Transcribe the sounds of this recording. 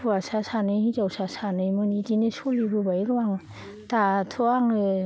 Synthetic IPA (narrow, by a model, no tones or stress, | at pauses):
uasasanɯhizawsasanɯjmɯnidinesolibɯbajɾɯwaŋ | tatʰoaŋɯ